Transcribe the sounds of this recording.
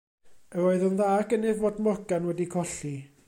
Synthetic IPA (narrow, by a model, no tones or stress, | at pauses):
əɾoɨðənðaːɡənɪvodmɔɡanwɛdikʰɔɬi